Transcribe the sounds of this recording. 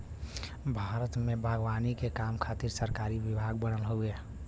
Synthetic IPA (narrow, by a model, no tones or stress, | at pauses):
bʱaːɾət̪mebʱaɡwanikekamkʰat̪iɾsəɾkaɾiʋibʱaɡ̚bənəlɦoe